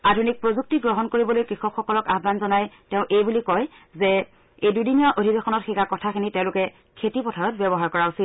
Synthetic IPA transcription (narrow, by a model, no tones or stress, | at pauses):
adʱunik̚pɹozuk̚tiɡɹɔɦɔnkoɹibɔlojkɹixɔpxɔkɔlɔkaɦbanzɔnajtɛʊ̃ʔejbulikɔj | zɛ | ejdudinijaʔodʱibexɔnɔtxikakɔtʰakʰinitɛ̃ʊ̃lʊkɛ | kʰetipɔtʰaɹɔt̚bɛbɔɦaɹkɔɹausit